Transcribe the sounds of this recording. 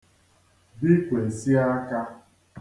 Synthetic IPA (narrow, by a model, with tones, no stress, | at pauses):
bi˦kʷe˨si˦a˦ka˦